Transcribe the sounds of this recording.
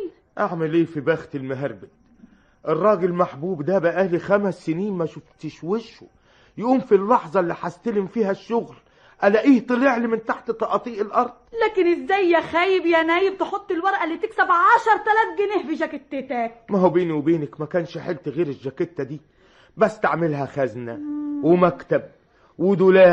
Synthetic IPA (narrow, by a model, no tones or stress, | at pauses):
ʔaʕmælʔeːfibæːxt̪ɪlmeɦɑɾˤbɪt̪ | ʔerˤːɑːɡɪlmaħbuːbd̪æbæʔʔæːlixæmæsːɪniːnmæʃʊft̪ɪʃwɪʃo | jʔuːmfilːɑħzˤɑlːiːħast̪ælɪmfiːhæʃːʊɣl | ʔælæʔiːht̪ˤɨlɪʕlimɪnt̪aħt̪t̪ˤːɑʔɑt̪ˤiːʔelʔɑɾˤd̪̥ˤlæːkɪnɪzːæjːæxæːjɪbjænæːjɪb̚t̪eħot̪ˤːɪlwɑɾˤʔælːiːt̪ɪksæbʕɑʃɑɾˤt̪ælæːt̪̚ɡɪnɪhfiʒækɪt̪ːet̪æːkmæɦobeːniwebeːnækmækæːnʃħelt̪eɣiːɾɪʒːæket̪ːæd̪iː | bæsːt̪aʕmɪlɦæxæznæwemækt̪æb̚ | wɪd̪ʊlæː